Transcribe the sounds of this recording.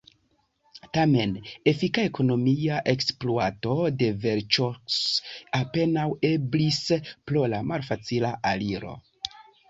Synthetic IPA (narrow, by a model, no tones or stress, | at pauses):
tame̞ne̞fikae̞ko̞no̞miaʔe̞ksploato̞de̞veɾt͡ʃosape̞nawe̞blispɾo̞lamalfat͡silaʔaliɾo̞̰